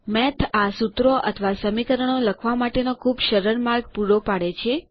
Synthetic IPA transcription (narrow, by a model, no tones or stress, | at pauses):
mɛt̪ʰasut̪ɾoʔə̰t̪ʰʋasəmikəɾəɳ̃oləkʰʋamaʈenokʰubʃəɾəɾmaɾɡpuɾopaɽet͡ʃʰe